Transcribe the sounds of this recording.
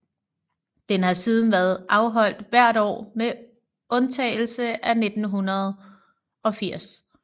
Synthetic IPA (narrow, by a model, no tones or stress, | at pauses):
d̥enhɑ̈siːð̞ˠn̩ʋæɐðˠʔɑ̈ʊɦɒ̽l̰d̥ʋæɐ̰ɾɒ̰ːme | ɔ̽nt͡sʰɛ̰ːɪl̩səʔæne̝d̥n̩ɦunɐð̞ˠ | ɒ̽fiɐ̰s